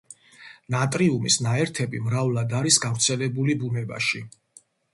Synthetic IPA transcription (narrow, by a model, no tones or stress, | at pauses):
nat̪ʼɾiumisnaɛɾt̪ʰɛbimɾavlˠad̪aɾisɡavɾt̪sʰɛlɛbulibunɛba̰ʃi